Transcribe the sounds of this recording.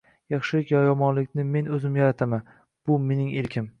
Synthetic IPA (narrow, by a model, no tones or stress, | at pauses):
jɑχʃɪlɪkʲjɒjɒmɒnlɪkʲnɪme̞nɵzɪmjɒɾat̪ʰaman | b̥ʊme̞nɪŋelkʲʰɪm